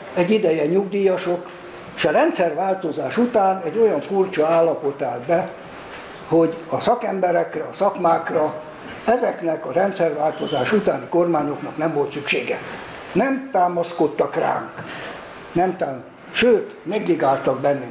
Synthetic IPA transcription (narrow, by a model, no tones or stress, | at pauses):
ɛɟːid̪ɛjɛɲuɡd̪ijɒʃo̞k | eʃɒrɛnt̪sɛrʋaːlt̪o̞zaːʃut̪aːnɛɟːo̞jɒɱfurt͡ʃɒaːlːɒpo̞t̪aːld̪bɛ | ho̞ɟɒsɒkɛmbɛɾɛkrɛɒsɒkmaːkrɒ | ɛzɛknɛkɒɾɛnt̪sɛrʋaːlt̪o̞zaːʃut̪aːniko̞rmaːɲo̞knɒknɛmvo̞lt̪sykʃḛːɡɛ | nɛmt̪aːmɒsko̞t̪ːɒkra̰ːŋk | nɛmt̪aː | ʃøːt̪mɛɡliɡaːlt̪ɒɡ̚bɛnːi